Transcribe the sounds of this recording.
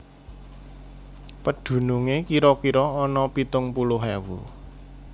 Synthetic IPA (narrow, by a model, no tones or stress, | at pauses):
pəɖ̪̥ṳnuŋekiɾɔkiɾɔːnɔpit̪ʊŋpulʊɦɛwṵ